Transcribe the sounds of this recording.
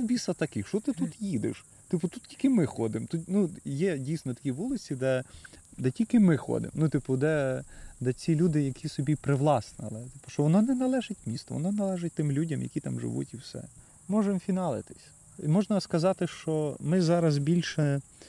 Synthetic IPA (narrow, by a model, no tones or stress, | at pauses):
bʲisɐt̪ɐkɪxʃt͡ʃɔt̪ɪt̪ut̪jid̪ɪ̰ʃ | t̪ɪpʊt̪ut̪̚tʲi̥lʲkɪmɪxɔd̪ɪmt̪ut̪nujɛdʲijsnɔt̪ɐ̥kʲiʋulˠɪt͡sʲid̪ɛd̪ɛtʲilʲkɪmɪxɔ̰d̪ɪ̰mnut̪ɪpʊd̪ɛd̪ɛt͡sʲilʲud̪ɪjɐkʰʲisɔbʲipɾɪʋlˠɑsnɪ̰lˠɪt̪ɪpʊ̥ʃt͡ʃɔʋɔnɔnɛnɐlˠɛʒɪtʲmʲist̪ɔ̰ʋɔ̰nɔnɐlˠɛʒɪt̚ʲt̪ɪmlʲudʲɐmjɐ̰kʲit̪ɑ̰mʒɪ̰ʋṵtʲiwsɛ̰ | mɔʒɛmfʲinɑlˠɪ̰t̪ɪ̥sʲ | mɔʒnɐskɐzɑt̪ɪʃt͡ʃɔmɪzɑɾɐzbʲilʲʃɛ